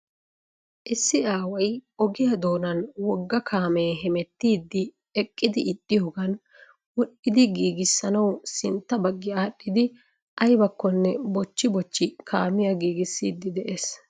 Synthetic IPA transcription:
ʔɪsːɪaːwɐjɔɡɪjɐd̪oːnɐnwɔɡːɐkʰaːmeːɦɛmɛt̪ːiːd̪ːɪ | ɛkʼːɪd̪ɪʔɪt̪ʼːɪjoːɡɐn | wɔɗːɪd̪ɪɡiːɡɪsːɐnɐwsɪnt̪ːɐbɐɡːɪaːɗːɪd̪ɪ | ʔɐjbɐkːɔnːɛbɔt͡ʃːɪbɔt͡ʃːɪkʰaːmɪjɐɡiːɡɪsːiːd̪ːɪd̪ɛʔeːs

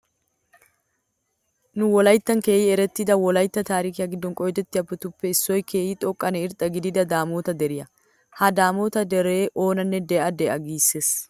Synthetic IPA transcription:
nʊwɔlɐjt̪ːɐŋke̞ːjɪɛɾɛt̪ːɪd̪ɐwɔlɐjt̪ːɐt̪aːɾiːkɪjɐɡɪd̪ːɔŋkʼɔjɛd͡ʒ̪ɛt̪ːɪɐbːʊt̪ʊpːɛɪsːoːjke̞ːjɪt̪ʼɔkʼːɐnɛɪɾt̪ʼɐɡɪd̪ɪd̪ɐd̪aːmoːt̪ɐd̪ɛɾɪjɐ | hɐd̪aːmot̪ɐd̪ɛɾeːʔo̞ːnɐnːɛd̪eːɐd̪eʔɐɡiːsːɛs

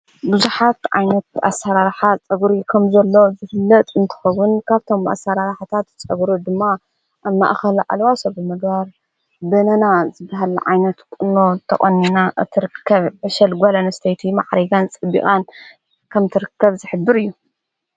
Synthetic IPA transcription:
buzuħat̪ʕa̰jnɐt̪̚ʔa̰sːaɾaɾħat͡sʼɐɡɾikʰɐmzɐlːo̞zɨfɨlːɐt̪ʼɨnt̪ʰɨ̥xɐwːʊnkʰaβt̪ʰo̞mʔa̰sːaɾaɾħat̪ʰat̪t͡sʼɐɡɾod̪ɨmːa | ʔaβma̰ʔxɐlʔa̰lwasobɨmɨɡbaɾ | bɨnɐnazɨbaɦalʕa̰jnɐt̪kʼɨnːo̞t̪ʰɐχʼɐnːinaʔt̪ʰːɨɾɨkʰːɐβʕɨʃɐlɡɐlɐnɐst̪ʰejt̪ʰima̰ʕɾɐɡant͡sʼɨbːḭkʼan | kʰɐmt̪ʰɨɾɨkːɐβzɨħɨbːɨɾɨjːu

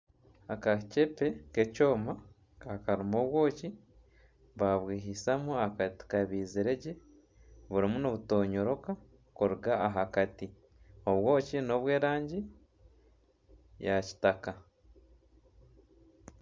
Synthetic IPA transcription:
akacepe̞keco̞ːma | kaɾimoβwo̞ːci | βaβwiːɦisamuakati̥kaβiːziɾe̞ɟe | βuɾimunoβuto̞ːɲo̞ɾo̞ka | koɾuɡaːɦakati | o̞βwo̞ːcino̞βwe̞ːɾaːɲɟi | jaci̥taka

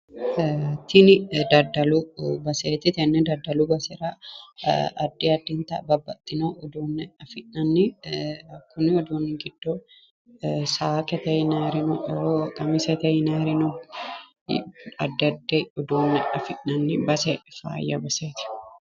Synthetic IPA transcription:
t̪ɪnɪd̪ɐd̪ːɐlubɐseːt̪ɪt̪ɛnːɛd̪ɐd̪ːɐlubɐsɛɾɐ | ɐd̪ːiɐd̪ːɪnt̪ɐ̰bɐbːɐt̪ʼːɪnoʔʊd̪oːnːɛɐfɪʔnɐnːɪɐkːʊnɪɔd̪oːnːɪɡɪd̪̥ːo | saːkɛt̪ɐjɪnɐɾɪnoʔɾok̪ʼɐmɪsɛt̪ɐjɪnaɾɪno̰ | ɐd̪ːɐd̪ːeʊd̪oːnːɛʔɐfɪʔːɐnːɪbɐsɛfa̰ːjːɐ̰bɐseːt̪ɪ̥

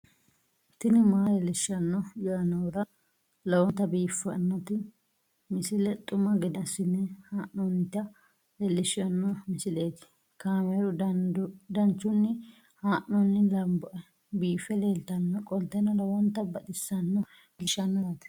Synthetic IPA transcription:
t̪ɪnɪmaːɾɛlɪʃɐnːɔjɐɐnɐwɾɐ | lɐwɔnt̪ːɐbiːfɐ̰nːɔt̪ɪ | mɪsɪlɛt̪ʼʊmɐɡɪd̪ɐsɪnːɛhaːʔɔnt̪ɐ | lɛlːɪʃɐnːɔmɪsɪleːt̪ɪ̥ | kaːmɛɾʊ | d̪ɐnt͡ʃːʊnːɪ | haːʔɔnːɪlɐmbɔʔɛ | biːfɛleːlt̪ɐnːɔkʼɔlt̪ːɛnɐlɐwɔnt̪ːɐbɐd̪ɪsːɐnːɔ | mlɪʃɐnːɔt̪

